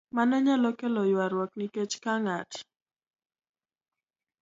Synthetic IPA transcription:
manɔɲalɔkɛlɔjwaɾwɔkniket͡ʃkaŋat

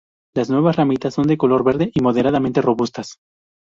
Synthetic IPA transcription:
laznwe̞βasramit̪asːo̞nd̪eko̞lo̞ɾβe̞ɾðeʔimo̞ð̞eɾaðament̪e̞ro̞βust̪as

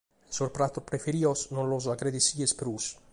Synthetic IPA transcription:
soɾpɾat̪ːupɾefeɾiosnõnlozakɾed̪isiespɾus

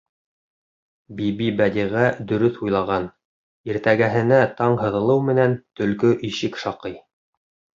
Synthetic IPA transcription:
bibibæd̪iʁæd̪ɵ̆ɾɵθujlˠɑʁɑn | iɾt̪æɡæɦɘ̆næt̪ɑɴɦɤ̆ðɤ̆lˠɤwmɘ̆nænt̪ɵ̆lkɵʔiʃɘkʃɑqɤj

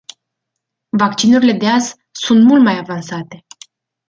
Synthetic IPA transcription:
vakt͡ʃinuɾile̞d̪e̞az | sunt̪mult̪majavansat̪e̞

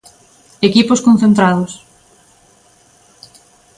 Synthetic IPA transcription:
ekiposkõn̟θẽnt̪ɾaðos

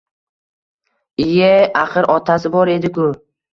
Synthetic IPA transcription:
ɪjaaqɨɾɒt̪ʰasɪbɒɾe̞d̪ɪkʊ

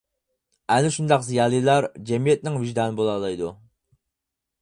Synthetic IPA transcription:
ɛnɪʃund̪ɑqzijɑːlˠijlˠɑɾd͡ʒɛmijɛt̪̚nɪŋviʒd̪ɑːnɨbolˠɑːlˠɑjd̪u

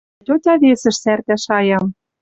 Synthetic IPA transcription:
t̪ʲot̪ʲɑβesɘ̆ʃsært̪æʃɑjɑm

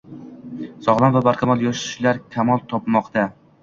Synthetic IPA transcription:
sɒʁlˠanvabaɾqʰɑmɒlˠjɒʃɪ̥ʃlaɾkʲʰamɒlˠt̪ʰɒpmɒqt̪a

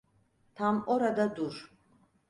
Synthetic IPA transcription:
t̪ʰamɔɾad̪ad̪uɾ

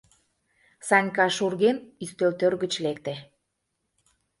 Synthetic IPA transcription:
sɑnʲkɑʃurɣenist̪ølt̪ørɣə̆t͡ɕlekt̪ĕ

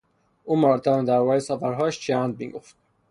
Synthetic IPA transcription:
ʔuːmæɾɾd̪ɒːmed̪æɾbɒːɾesæfæɾɦɒːʃt͡ʃʰænd̪̚mḭːɡo̰ft̪̚

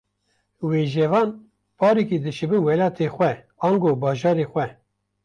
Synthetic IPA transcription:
weːʒɛvɑːn | pʰɑːɾikid̪ɨʃɨbɨnwɛlɑːt̪ʰexʷɛ | ɑːnɡoːbɑːʒɑːɾeːxʷɛ

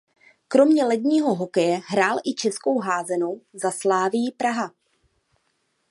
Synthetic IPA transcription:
kɾo̞mɲɛlɛd̪ɲiːɦo̞ɦo̞kɛjɛɦɾaːlʔɪt͡ʃɛsko̞wɦaːzɛnowzaslaːvɪjɪpɾaɦa

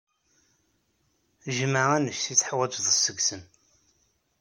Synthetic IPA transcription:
ʒməʁænəʃθit͡sːħwæd͡ʒðˤəsːəɡsən

